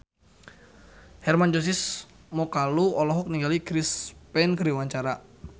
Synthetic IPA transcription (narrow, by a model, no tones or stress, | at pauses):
hɛrmand͡ʒos̬ɪs | mɔkaluɔlɔɦɔk̚niŋɡalikɾispɛnkəɾiwaɲt͡ʃaɾa